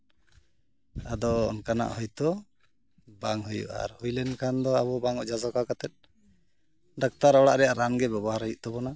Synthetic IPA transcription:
ad̪ɔ̰ːnkana̰ʔhɔjt̪ɔ | baŋɦujṵʔa̰ɾhujlɛnkʰand̪ɔaβɔbaŋɔʔd͡ʒad͡ʒɔkakat̪ɛt̪̚ˀ | ɖak̚t̪aɾɔɽaʔɾɛjaɾanɡɛbɛbɔɦaɾɦɔjuʔt̪ɔbɔna

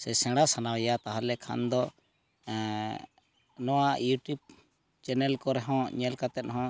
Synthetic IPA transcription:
sɛsɛ̃ɽasanawjat̪aɦalɛkʰa̰nd̪ɔ | nɔwajuʈjub̚ | t͡ʃɛnɛlkɔɾɛɦɔ̃ɲɛlkat̪ɛt̪̚ˀɦɔ̃

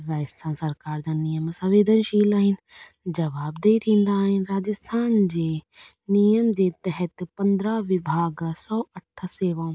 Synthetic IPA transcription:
ɾaːd͡ʑəst̪ʰãːnsɐɾkaːɾd͡ʑãːnijəmsɐʋeːd̪ʱənʃiːlaːɦɪnɪ̆ | d͡ʑɐʋaːbd̪eit̪ʰĩːn̆d̪aːɦɪnɪɾaːd͡ʑəst̪ʰaːnd͡ʑeː | nijəmd͡ʑeːt̪ɛɦɛt̪pɐ̃nd̪ɾaʋɪbʱaːɡsɔːɐʈʰseːʋãː

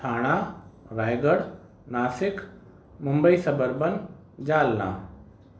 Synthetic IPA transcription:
t̪ʰaːɽ̃aː | ɾaːjɡəɽ | naːsɪk | mʊ̃mbəisɐbəɾbən | d͡ʑaːlnã̰ː

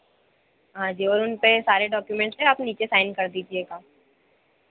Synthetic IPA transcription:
ɦãd͡ʒiːɔːɾʊnpesaːɾeɖɔːkjumɛ̃ːɳʈseaːpniːt͡ʃesaːɪnkɐɾd̪iːd͡ʒieɡaː

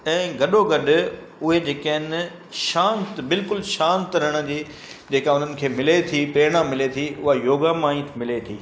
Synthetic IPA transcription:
ɛ̃ːɡɐɗoɡɐɗʊ̆ | ʊɦed͡ʑeːkaɦɪn | ʃãːnt̪bɪlkʊlʃãːnt̪ɾəɽ̃ə̆d͡ʑiː | d͡ʑeːkaʊn̤ənɪ̆kʰeːmɪlet̪ʰiːpɾeːɽ̃ãmɪlet̪ʰiʊɦajoːɡamãːĩt̪mɪlet̪ʰḭː

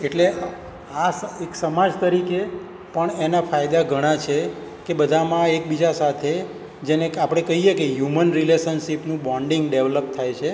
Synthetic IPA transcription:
eʈle | aseksəmad͡ʒt̪əɾike | pəɳenafajd̪aɡʱəɽ̃at͡ʃʰekebəd̪ʱamãek̚bid͡ʒasat̪ʰe | d͡ʒenekapɽ̃ekəɦijekeɦjumənɾileʃənʃipnũbɔɳɖĩŋɡɖeʋləp̚t̪ʰajt͡ʃʰe

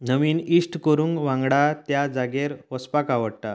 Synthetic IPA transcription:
nəʋiːnisʈkəɾũːŋɡʋãŋɡɽat̪jad͡zaɡeɾʋəspakaʋəɽʈ̪a

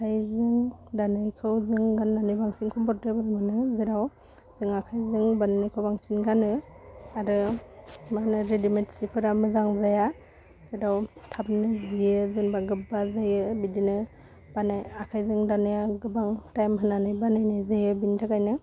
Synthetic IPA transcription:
kʰajzɯŋdanɯjkʰɯwzɯŋɡanːanɯjbaŋsinkʰɔmbɔɾtebɯɾmɯnɯzeɾaw | zɯŋakʰajzɯŋbanːɯjkʰawbaŋsinɡanɯaɾɯ | manɯɾedimetsipʰɯɾamɯzaŋzaja | zeɾawtʰap̚nɯzijɯzɯŋbaɡɯbazajɯbidinɯ | b̥anajakʰajzɯŋdanɯjaɡɯbaŋtajmɦɯnːanɯjbanɯjnɯzajɯbintʰakajnɯ

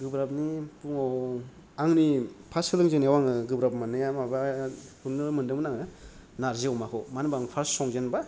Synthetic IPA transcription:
ɡɯbɾapnibuŋɔw | aŋnipʰasɯlɯŋzeniawaŋɯɡɯbɾap̚mɯnɯjamabapʰuɾnɯmɯndɯŋmɯnaŋɯ | naɾziawmakʰɯwmanbaŋpʰaɾsɔŋzenba

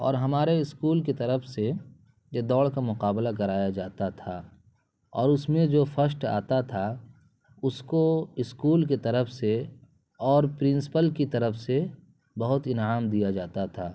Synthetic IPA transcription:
ɔ̰ːɾɦɐmaːɾeɪskuːlket̪ɐɾəfse | jed̪ɔːɭkamʊqaːblakɐɾaːjad͡ʒaːt̪at̪ʰaː | ɔ̰ːɾʊsmẽd͡ʒoːfəs̬ʈa̰ːt̪at̪ʰa | ʊskoɪskuːlk̬et̪ɐɾəfʰse | ɔːɾpɾɪ̃nsɪ̥pəlkit̪ɐɾəfse | bɐɦʊt̪ɪnɦaːmd̪ijad͡ʒaːt̪at̪ʰa̰ː

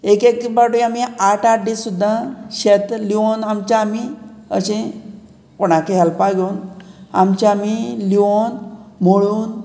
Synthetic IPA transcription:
ekekbaɽuamiaʈaʈɖisud̪ʱːaɕet̪lionamt͡ɕaːmiəɕẽ | koɽ̃akeɦɛlpaɡʱeuna̰mt͡ɕaamiliʋonm̤oɭuːn

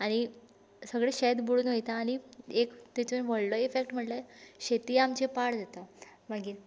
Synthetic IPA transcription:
aɽ̃i | səɡɭeɕed̪buɽuːnʋəjt̪aːɽ̃iekt̪et͡ɕonʋəɽləefekʈm̤əʈlaɕet̪iːamt͡ɕepaɽd͡zat̪a | məɡiːɾ

